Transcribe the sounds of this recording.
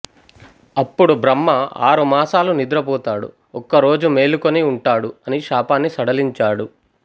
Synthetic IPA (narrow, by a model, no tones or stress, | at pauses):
ɐpːuɽubɾɐmːɐa̰ːɾumaːsaːlunid̪ɾɐpɔːt̪aːɽṵ | ɔkːɐɾo̞ːd͡ʒume̞ːlukoniuɳʈaːɽuɐniʃaːpaːnːisɐɽɐliɲt͡ʃaːɽu